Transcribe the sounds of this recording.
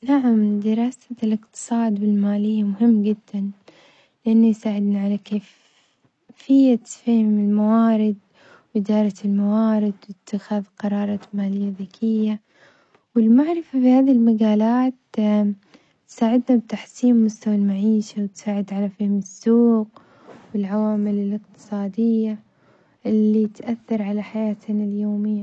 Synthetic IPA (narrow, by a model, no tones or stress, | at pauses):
naʕamd̪ɪɾˤɑːsalɪqt̪ɨ̥sˤɑːd̪bɪlmaːlɪjːamʊɦɪmːɡɪd̪ːan | lɪʔanːajsaːʕɪd̪naʕalakeːf | fɪjːafeːhɪmɪlmawaːɾɪd̪ | wʔɪd̪ɑːɾˤɑɪlmawaːɾɪd̪wɪt̪ʰːɪxaðqɑɾˤɑːɾˤɑːmaːlɪjːaðakʰɪjːa | wɪlmaʕɾɪfafihaːðiɪlmaɡaːlaːt̪ | t̪saːʕɪd̪nab̚t̪aħsiːmːʊst̪awalmaʕiːʃawɪt̪saːʕɪd̪ʕalafɪːhɪmɪsːuːɡ | wɪlʕawaːmɪlɪlɪqt̪ɨ̥sˤɑːd̪ɪjːa | ʔɪlːit̪ʔaθːɑɾˤʕalaħajaːt̪naljoːmɪjːa